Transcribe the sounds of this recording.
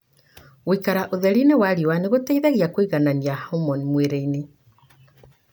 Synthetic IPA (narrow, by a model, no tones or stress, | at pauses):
wikaɾaʔoðɛɾinewaɾiwaneɣotaiðaɣiakoiɣananiahaomɔnmweɾeine